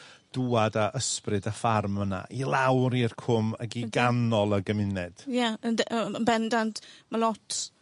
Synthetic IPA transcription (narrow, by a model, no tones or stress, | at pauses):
d̥uːadaʔəsprɨdafarməna̰ʔilˠawɾirkʰʊməɡiɡanɔlˠəɡəmɪnɛd̥jaənənbɛndantmalˠɔtʰ